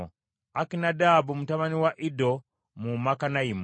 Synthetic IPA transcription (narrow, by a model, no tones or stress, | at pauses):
akinadabumutamaniwaʔido | mumakanaim